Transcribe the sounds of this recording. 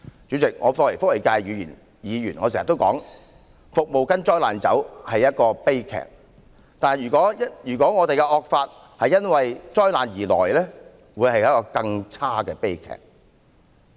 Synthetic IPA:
t͡syː˨˥t͡sɪ˨k̚ŋɔː˨˧fɔ˧k̚le˨˩fʊ˥k̚le˨˩jkaː˧jjyː˨˧jiː˨˩n | jiː˨˧jyː˨˩nŋɔ̰˨˧se˨˩sɐ˨t̪ːwkɔ̰ː˨˥ŋ | fʊ˨k̚mo˨wkɐ˥nt͡ʃɔː˥jlaː˨nt͡sɐ̰˨˥whɐ˨jɐ˥t̚kɔː˧pe˥jkʰɛ̰ː˨˩k̚ | t̪aː˨n˨jɥyː˨kɔː˨˥ɐ˥jyː˨˩kɔː˨˥ŋɔː˨˧t̪e˨jkɛ˧ʔɔː˧k̚faː˧t̚ | hɐ˨jːɐ˥nwɐ˨jt͡ʃɔː˥jlaː˨njiː˨˩lɔ̰ː˨˩jlɛː˥ | wuː˨˧jhɐ˨jɐ˥t̚kɔː˧kɐ˧ŋt͡sʰaː˥kɛː˧pe˥jkʰɛ̰ː˨˩k̚

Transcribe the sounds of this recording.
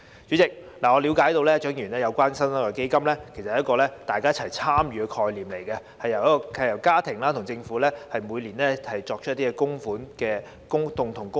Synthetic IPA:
t͡ʃyː˨˥t͡sɪ˨k̚ | laː˨˩ŋɔ˨˧liː˨˧wkaː˨˥jt̪o˧wlɛː˥ɐ˥t͡ʃœː˨˥ŋjyː˨˩nlɛː˥jɐ˨˧wkʷwaː˥nsɐ˥mɐ˥kːɔ˧ke˥jkɐ˥mlɛː˥kʰe˨˩sɐ˨h̚kɔː˧lɛː˥t̪aː˨jkaː˥ɐ˥t͡sʰɐ˨˩jt͡sʰaː˥mjyː˨˧kʰɔː˧jliː˨˩mle˨˩jkɛ˧ | hɐ˨jːɐ˨˩wjɐ˥kɔ˧hɐ˨jɐ˨˩wkaː˥t̪ʰɪ˨˩ŋlaː˥t̪ʰʊ˨˩ŋt͡sɪ˧ŋfuː˨˥lɛː˥hɐ˨jmuː˨˧jliː˨˩nlɛː˦˥hɐ˨jt͡ʃɔː˨k̚t͡ʃ̚ʰt̪iː˥kɛ˧kʊ˥ŋfuː˨˥nkɛː˧ | kʊ˥ŋt̪ʊ˨ŋt̪ʰʊ˨˩ŋkʊ˥

